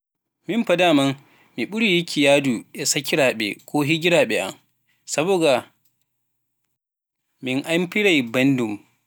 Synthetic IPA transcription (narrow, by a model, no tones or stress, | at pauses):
mɪmɸadaːmɐŋ | miɓʊɽijikʰʲijaːdujasakʲiɾaːɓɛ̰kʷoːɦiɡʲɪɾaːɓɛʔa̰ŋ | sɐboːɡa | mɪŋʔampɪɽajbɐndum